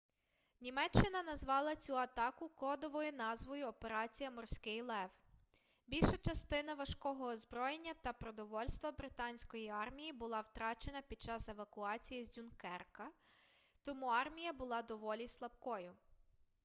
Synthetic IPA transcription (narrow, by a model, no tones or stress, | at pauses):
nʲimɛt͡ʃːɪnɐnɐzʋɑlˠɐt͡sʲuɐt̪ɑkʊkɔd̪ɔʋɔjʊnɑzʋɔjʊɔpe̞ɾɑt͡sʲijɐmɔrsʲkɪjlˠɛʋ | bʲilʲʃɐt͡ʃɐst̪ɪnɐʋɐʃkɔɦɔːzbɾɔjenʲːɐt̪ɐpɾɔd̪ɔʋɔlʲst̪ʋɐbɾɪt̪ɑnʲsʲkɔjiɑrmʲijibʊlˠɑwt̪ɾɑt͡ʃe̞nɐpʲid̪̚t͡ʃɑse̞ʋɐkʊɑt͡sʲijizʲdʲunkɛrkɐ | t̪ɔmuɑrmʲijɐbʊlˠɑd̪ɔʋɔlʲislˠɐbkɔjʊ